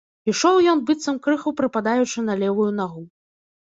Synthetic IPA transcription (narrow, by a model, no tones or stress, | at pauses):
iʂɔwjɔnbɨt̪sɐmkɾɨxɐpɾɨpad̪ajut͡ʂɨnɐlʲɛvujun̪aɣu